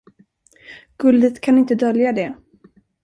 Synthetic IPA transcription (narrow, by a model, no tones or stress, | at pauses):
ɡ̥ɵld̪ət̪kʰanɪnt̪əd̪œljad̪ɛ